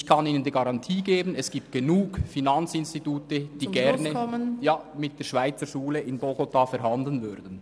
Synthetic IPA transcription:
kʰɑniːnəndiɡɑʁɑntʰiːɡeːbənɛsɡ̥iːp̚t̚ɡ̥enuːkfinɑnt͡sɪnstituːtəd̥iːɡ̥ɛʁnəmənjaːmɪt̚d̥eːʃv̥aɪt͡səʃuːləʔɪnboɡotʰaːfɛɾɦɑndl̩nvʏɾdən̩

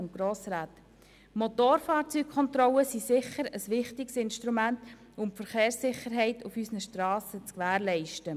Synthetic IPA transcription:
ʊnɡ̥ɾoːsɾaːt | mɔt̪oːɾfɑːɾt͡syːk̚kʰɔnt̪ɾɔləsisɪχəɾəsʋɪχtɪksɪnʃtɾumænt | ʊmpfəɾχeːɾsːɪχəɾɦɛɪtʰufysnəʃtɾɑːsət͡skʋæːɾlɛɪʃtə

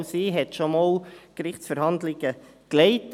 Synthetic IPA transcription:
siːɦɛt̪ʃɔmoːlkɾɪχtsfəɾhɑnd̪lɪɡ̥əklɛɪt

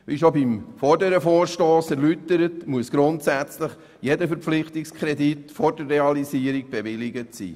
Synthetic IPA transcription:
ʋiʃobimfɔɾdəɾəfoːɾʃtoːsæɾlytəɾətmuəsɡ̥ɾʊntsæt͡sləχ | jedəfəɾpp͡flɪχtikskʰχɾɛditfɔɾdərːɛɑlisiːəɾiɡ̚b̥evɪliɡətsḭː

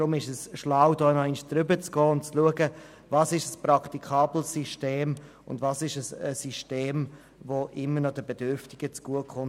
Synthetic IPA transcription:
ɾʊmɪʃɛsʃlaʊdɔːnɔɪnʃd̥ɾʏbət͡sɡ̥ɔːʊnt͡sluəɡə | vɑːsɪʃəspɾɑktikʰɑːbl̩siʃteːm | ʊ̰ndvɑsɪʃəsəsiʃteːm | voʔɪmːənɔd̥əbɛd̥ʏɾftɪɡ̥ət͡sɡ̥uəkχʊn

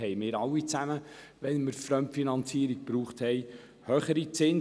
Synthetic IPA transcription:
ɛɪmɪːɾɑwːit͡sæmə | ʋɛnməɾfɾœmfinɑnt͡siːəɾiɡ̚pɾuːχthɛɪ | høχəɾit͡sɪn

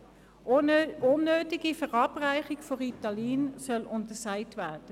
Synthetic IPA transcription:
onːøːtiɡifəʁɑːbʁaɪχɪɡfɔʁitɑliːnsœlʊntəsaɪtvæɐd̥ə

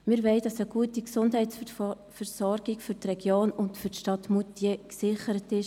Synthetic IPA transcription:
mɪɾvɛɪd̥ɑsəɡ̥uətiksʊndɦɛɪt | fɛɾsɔɾɡ̥ɪkfyɾtrɛɡ̥joːnʊntfʏɾtʃtɑtmutjeksɪχəɾətɪʃ

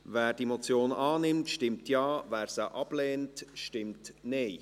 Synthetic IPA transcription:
væːɾd̥imot͡sjoːnɑːnɪmtʃtɪmtjɑːvæːɾsəʔɑb̥lɛːntʃtɪmtneː

